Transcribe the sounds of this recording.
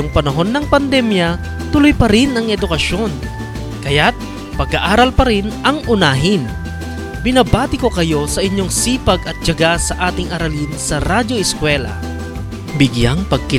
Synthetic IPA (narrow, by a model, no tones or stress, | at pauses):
oŋpɐnɐɦo̞nːɐŋpɐnd̪ɛmjɐ | t̪ʊlʊjpɐɾɪnɐŋʔɛd̪ʊkɐʃo̞n | kɐjat̪̚ | pɐɡɐʔaːɾɐlpɐɾɪnʔɐŋʔʊnaːɦɪn | bɪnabaːt̪ɪko̞kɐjo̞sɐʔɪɲːoŋsiːpɐɡɐt̪̚t͡ʃɐɡasɐʔaːt̪ɪŋɐɾɐlinsɐɾad͡ʒo̞ʔɪskwɛːlɐ̰ | bɪɡjaŋpɐɡ̚kɪ